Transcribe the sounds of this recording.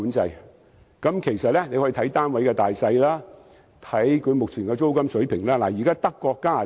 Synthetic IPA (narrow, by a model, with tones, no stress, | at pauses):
uː˨˥nt͡sɐ˧j | kɐ˨˥mkʰe˨˩jsɐ˨t̚lɛː˥ne˨˧jhɔː˨˥i˧t̪ʰɐ˨˥jt̪aː˥nwɐ˨˥jkɛː˧t̪aː˨jsɐ˧jlaː˥ | t̪ʰɐ˨˥jkʰɵ˨˧ɥmʊ˨k̚t͡sʰiː˨˩nkɛː˧t͡so˥wkɐ˥msɵ˨˥ɥpʰɪ˨˩ŋlaː˥laː˨˩jiː˨˩kaː˥t̪ɐ˥kːɔː˧kːaː˥a˨˩